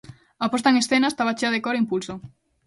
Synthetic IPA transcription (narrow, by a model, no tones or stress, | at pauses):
apost̪aeŋesθenast̪aβat͡ʃeaðekoɾimpulso